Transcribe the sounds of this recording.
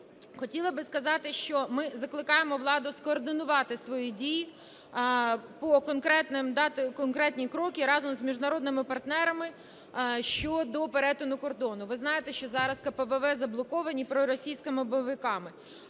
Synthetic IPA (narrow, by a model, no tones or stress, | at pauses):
xɔtʲilˠɐbɪskɐzɑt̪ɪʃt͡ʃɔmɪzɐklˠɪkɑjemɔʋlˠɑd̪ʊskɔːrd̪ɪnʊʋɑt̪ɪsʋɔjidʲiji | pɔkɔnkɾɛt̪nɪmd̪ɑt̪ɪkɔnkɾɛt̪ʲnʲikɾɔkʲiɾɑzɔmzmʲiʒnɐɾɔd̪nɪmɪpɐrt̪nɛɾɐmɪ | ʃt͡ʃɔd̪ɔpeɾɛt̪ʊnʊkɔrd̪ɔnʊʋɪznɑjɪt̪ɛʃt͡ʃɔzɑɾɐskɐpɛʋɛʋɛzɐblˠɔkɔʋɐnʲipɾɔɾɔsʲijsʲkɪmɪbɔʋɪkɑmɪ